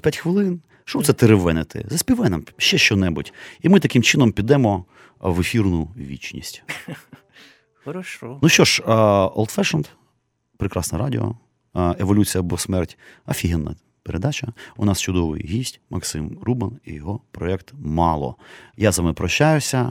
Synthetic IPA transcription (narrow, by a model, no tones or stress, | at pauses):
pʲjatʲxʋɪlˠɪn | ʃɔmut̪sɛt̪eɾeʋɛnɪt̪ʰɪ̰zɐsʲpʲiʋɛnɐmʃt͡ʃɛʃt͡ʃɔnɛbʊtʲimɪt̪ɐkɪmt͡ʃɪnɔmpʲid̪ɛmɔ | ʋefʲirnʊʋʲit͡ʃnʲḭsʲtʲ | xɔɾɐʃɔnuʃt͡ʃɔʃɔ̰lˠt̪fɛʃɐnt̪ | pɾekɾɑsnɐɾɑdʲḭɔ̰ | eʋɔlʲut͡sʲijɐbɔsmɛrtʲɐfʲiɦɛnːɐ̰ | peɾʔed̪ɑt͡ʃɐʊnɑst͡ʃʊd̪ɔʋɪ̰jɦʲisʲtʲmʔɐksɪmrubɪnḭjɔɦɔpɾɔɛkt̪mɑlˠɔ̰jazɐmɪpɾɔʃʲt͡ʃːajʊsʲɐ